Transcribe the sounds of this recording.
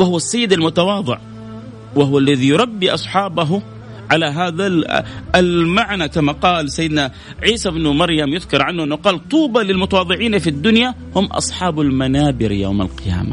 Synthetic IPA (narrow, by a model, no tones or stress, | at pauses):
wahʊwasːajːɪd̪almʊt̪ɑwɑːðˤɨ̰ʕ | waɦʊwalːaðijʊɾˤɑbːiʔɑsˤħɑːbaɦu | ʕalaɦaːðaalmaʕnakamaqɑːlsajːɪd̪na | ʕiːsabnumɑɾˤjamjʊðkɑɾˤʕanːʊʔɪnːʊqɑːlt̪ˤuːbalɪlmʊt̪awɑːðˤɨʕiːnafid̪ːʊnja | hʊmʔɑ̰sˤħɑːbalmanaːbɪɾja̰wma̰lqɪja̰ːma̰